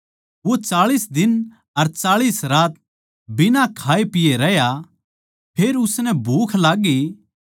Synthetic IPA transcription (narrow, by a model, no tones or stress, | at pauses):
ʋot͡ʃaːɭiːsd̪ɪn | ɐɾt͡ʃaːɭiːsɾaːt̪̚ | bɪnakʰaːepɪjeɾɛja | pʰeːɾʊsnɛbʱuːkʰlaːɡi